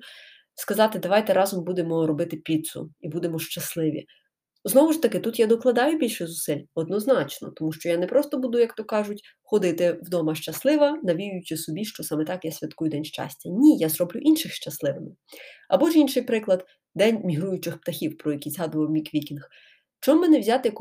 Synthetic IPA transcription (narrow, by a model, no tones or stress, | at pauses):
skɐzɑt̪ɪd̪ɐʋɑjt̪ɛɾɑzɔmbud̪emɔɾɔbɪt̪ɪpʲit̪sʊ̰ibud̪emɔʃt͡ʃɐslˠɪʋʲḭ | znɔʋʊʃt̪ɐkɪt̪ut̪jad̪ɔklˠɐd̪ɑjʊbʲilʲʃɪzʊsɪlʲɔd̪̚nɔznɑt͡ʃnɔ̰t̪ɔmuʃt͡ʃɔjanɛpɾɔst̪ɔbud̪ʊjɐkt̪ɔkɑʒʊtʲ | xɔd̪ɪt̪ɪwd̪ɔmɐʃt͡ʃɐslˠɪʋɐnɐʋʲijʊjʊt͡ʃɪsɔbʲiʃt͡ʃɔsɑmɛt̪ɑkjasʲʋʲɐt̪kujʊd̪ɛnʲʃt͡ʃɑ̰sʲtʲɐnʲijazɾɔblʲʊʔinʃɪxʃt͡ʃɐslˠɪʋɪmɪɐ̰bɔʒinʃɪjpɾɪklˠɐd̪ | d̪ɛnʲmʲiɦɾujʊt͡ʃɪxpt̪ɐxʲiwpɾɔjɐkʲizɦɑd̪ʊʋɐwmʲikʋʲikʲinx | t͡ʃɔmːɪnɛwzʲat̪ɪjɐk